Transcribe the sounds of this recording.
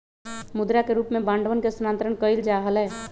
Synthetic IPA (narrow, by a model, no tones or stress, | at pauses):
mʊd̪ɾakeɾuːpmẽbãːɳɖʋənkesʊnaːnt̪ɾəɽ̃kəɪld͡ʒaːɦəlɦɛː